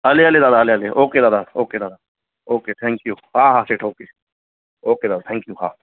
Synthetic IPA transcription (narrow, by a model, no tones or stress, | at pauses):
ɐleɐled̪aːd̪aɐleɐleʔoːked̪aːd̪aoːked̪aːd̪a | oːket̪ʰɛ̃ːŋkjuhaːɦaːseːʈʰoːkeː | oːked̪aːd̪at̪ʰɛ̃ŋkjuɦa̰ː